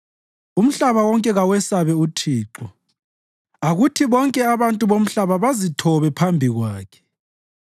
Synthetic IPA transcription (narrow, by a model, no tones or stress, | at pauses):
um̩ɬaβawɔŋkʼɛɣawɛsaβɛutʰiːǃɔ | aɣutʰiβɔŋkʼɛaβantʼuβom̩ɬaβaβazitʰɔβɛpʰambʱiɣwaːkʰɛ̥